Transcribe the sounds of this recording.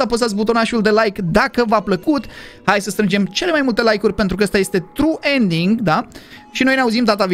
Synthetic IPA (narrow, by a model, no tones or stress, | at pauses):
apost̪as̬but̪̬o̞naʃuld̪e̞lajkd̪akəvapləkut̪hajsəst̪ɾɨnd͡ʒe̞mt͡ʃe̞le̞majmult̪e̞lajkurʲpe̞nt̪ɾuk̬əːst̪aje̞st̪e̞t̪ɾuʔe̞nd̪iŋɡd̪aʃinojneauzimd̪at̪av